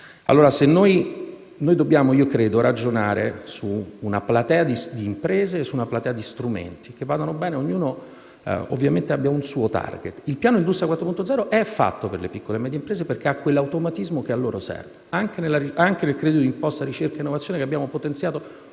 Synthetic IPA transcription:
a̰lːoːɾasenːoj | nojd̪objaːmoiːokɾeːd̪oɾad͡ʒonaːɾesuːnaplat̪ɛːad̪id̪iːmpɾeːzeːsːuːnaplat̪ɛːad̪ist̪ɾumḛnt̪ikevːaːd̪anobɛːneoɲːuːno̰ | o̰vːjament̪eabːjaunsuot̪a̰rɡḛt̪ːilpjaːnoind̪ust̪ɾjakwat̪ːɾopunt̪od̪zɛɾoʔɛfːa̰t̪ːoperlepikːolemɛd̪jeimpɾeːzeperk̟eakːwelːawt̪omat̪izmok̟ealːoːɾosɛ̰rveaŋk̟enelːaɾiaŋk̟enelkɾed̪iod̪impɔst̪aɾit͡ʃerkaeinːovat̪sːjoːnekeabːjaːmopot̪ent̪sjaːt̪o

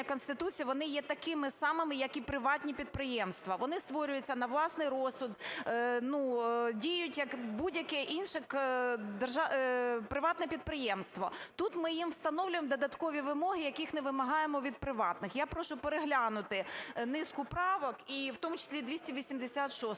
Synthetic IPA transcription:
ɐkɔnst̪ɪt̪ut͡sʲijɐʋɔnɪjɛt̪ɐkɪmɪsɑmɪmɪjɐkipɾɪʋɑtʲnʲipʲid̪̚pɾɪjɛmst̪ʋɐʋɔnɪst̪ʋɔɾʲʊjʊt͡sʲːɐnɐʋlˠɑsnɪjɾɔsʊd̪nudʲijʊtʲjɐkbudʲjɐkɛʔinʃɛkd̪erʒɑpɾɪʋɑt̪nɛpʲid̪̚pɾɪjɛmst̪ʋɔt̪ut̪mɪjimwst̪ɐnɔwlʲʊjemd̪ɔd̪ɐt̪kɔʋʲiʋɪmɔɦɪjɐkɪxnɪʋɪmɐɦɑjemɔʋʲid̪̚pɾɪʋɑt̪nɪxjapɾɔʃʊpeɾeɦlʲɑnʊt̪ɪnɪskʊpɾɑʋɔkiwt̪ɔmʊt͡ʃɪ̥sʲlʲid̪ʲʋʲisʲtʲiʋʲisʲimd̪esʲat̪ʃɔs

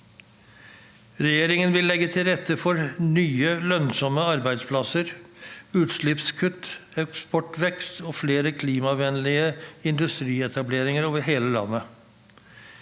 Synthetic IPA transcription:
ɾɛjeːɾɪŋənʋɪlːɛɡːət̪ʰɪlɾɛt̪ːəfɔɾnyːəlœnsɔməɑɾbæɪd̪spʰlɑsəɾʉːt̪ʃlɪpskʰʉt̪ːɛkspɔʈʋɛkst̪oːfleːɾəkʰliːmɑʋɛnlɪəɪnd̪ʉst̪ɾiːɛt̪ʰɑbleːɾɪŋəɾoːʋəɾɦeːləlɑ̰nːə

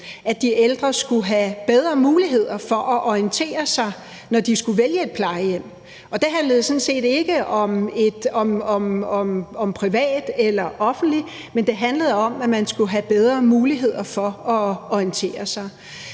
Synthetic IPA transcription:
ʔæd̥iʔeld̥ʁɐsɡ̥uɦæb̥eð̞ˠʁɐmuːliɦe̝ð̰ˠɐfɒ̽ʔɒʔɒint͡sʰe̝̰ːɐsɑ̈ɪ | nɒd̥isɡ̥uʋeljəe̝d̥̚pʰlɑ̈ɪəjem̰ | ʔɒ̽d̥e̝ɦænləðˠsɔ̽nse̝̰ːd̥e̝ɡ̥əʔɒ̽me̝d̥ɒ̽mɒ̽mɒmɒ̽mpʰʁiʋɛ̰ːd̥elɐʔɒ̽fn̩d̥li | mend̥e̝ɦænləð̞ˠɒ̽mæmænsɡ̥uɦæb̥eð̞ˠʁɐmuːliɦe̝ð̞̰ˠɐfɒ̽ɒɒint͡sʰe̝̰ːɐsɑ̈ɪ

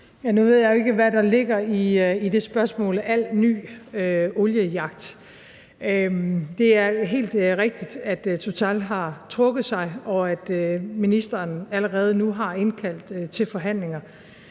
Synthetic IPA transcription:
jænuʋe̝ð̞̰jɑɪjoe̝ɡ̥əʋæɾ̥ɑ̈le̝ɡ̥ɐiid̥e̝sb̥ɶɐsmɔ̰̽ːlæl̰ny̰ːøɔljəjɑ̈ɡ̥̚d̥ | ød̥e̝æɐɦe̝̰ːld̥ʁɛɡ̥̚d̥id̥æd̥t͡sʰot͡sʰælɦɑ̈t͡sʰʁɔ̽ɡ̥ð̩ˠsɑ̈ɪɒ̽æd̥øminisd̥ɐːnæləʁɛːð̞̩ˠnuɦɑ̈e̝nkʰæl̰d̥t͡sʰe̝lfɒ̽ɦæn̰le̝ŋɐ

